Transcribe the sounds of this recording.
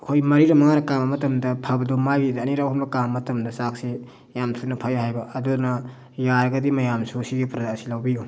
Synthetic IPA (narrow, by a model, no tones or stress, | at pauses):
hojmɐɾiɾɐmɐŋaɾɐkamɐmɐtɐmdɐpʰabɐdomajbidɐːniɾawhɔmbɐkammɐtɐmdɐsak̚se | jamtʰunɐpʰajahajbɐʔɐdunɐ | jaɾɡɐdimɐjamsusiɡipɾɐdaːsilawbiju